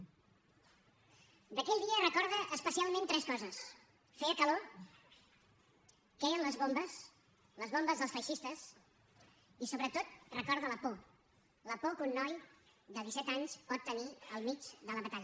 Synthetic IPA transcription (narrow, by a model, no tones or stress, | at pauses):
d̪əkɛʎd̪iərəkɔɾðəʔəspəsialˠmẽnt̪ɾɛskɔzəs | fɛəkəlo | kɛjənləzβombəs | ləzβombəzðəlˠsfəjʃist̪əs | isoβɾət̪ot̪̚rəkɔɾðələpo | ləpokunːɔjd̪əðisɛt̪aɲspɔt̪ːəniəlˠmit͡ʃðələβət̪aʎ